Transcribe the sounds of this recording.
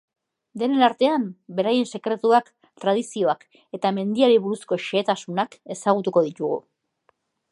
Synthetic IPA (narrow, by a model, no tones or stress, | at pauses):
d̪e̞ne̞naɾt̪e̞ambe̞ɾaje̞nse̞kɾe̞t̪uak | t̪ɾað̞isio̞ak | e̞t̪ame̞nd̪iaɾiβuɾusko̞ʃe̞ːt̪asunake̞saɣ̞ut̪uko̞ð̞it̪uɣ̞ṵ